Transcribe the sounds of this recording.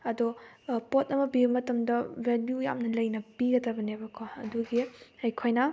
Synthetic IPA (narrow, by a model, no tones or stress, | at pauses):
ɐdɔpotɐmɐbibɐmɐtɐmdɐbeljuja̰mnɐlɐjnɐpiɾɐtɐbɐnebɐkʰoɐ̰duɡiɐjkʰojnɐ